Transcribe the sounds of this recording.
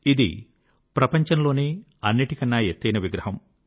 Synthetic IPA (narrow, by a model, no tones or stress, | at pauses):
id̪ḭ | pɾɐpɐɲt͡ʃɐnlo̞ːneː | ɐnːiʈikɐnːaːjet̪ːɐjnɐʋiɡɾɐɦɐm